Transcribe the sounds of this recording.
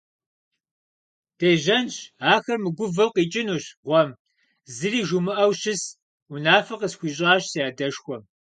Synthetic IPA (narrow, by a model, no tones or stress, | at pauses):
d̥eːʒɐnɕaːxɐrmɨɡʷʊvɐqiːt͡ʃʼɪnuːɕʁʷɔm | zɨriːʒumɨʔɐwɕɪs | unaːfɐqəsxʷiːɕ̬ʼɑːɕsjaːdɐʂxʷɔm